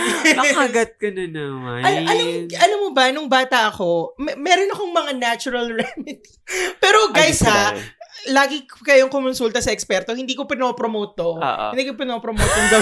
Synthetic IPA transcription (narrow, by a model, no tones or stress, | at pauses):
ɐɡɐt̪̚kɐnɐnɐʔɐʔɐlamʔɐlamːobɐnʊŋbaːt̪ɐʔɐko̞mmɛːɾonɐkoŋmɐŋanat͡ʃʊɾɐlɹɛmɪd̪ | pɛːɾo̞ɡajsɐ | laːɡɪkɐjoŋkomʊnsult̪ɐsɐʔɛkspɛɾt̪o̞hɪnd̪iːkopɪnopɾomoːt̪o̰hɪnd̪iːkopɪnopɾomoːt̪oŋɡ̪ɐ